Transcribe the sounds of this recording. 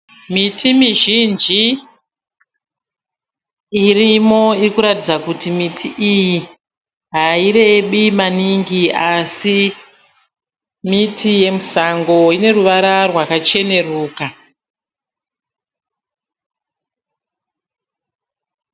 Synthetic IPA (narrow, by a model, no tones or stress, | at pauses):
mitʰimiʒind͡ʒi | irimo̞irikuɾatid͡zakutimitʰiʔiji | ɦaiɾe̞ːɓimaniŋɡiasi | mitʰije̞musaŋɡo̞ine̞ruʋaɾarwakat͡ʃe̞ne̞ruːka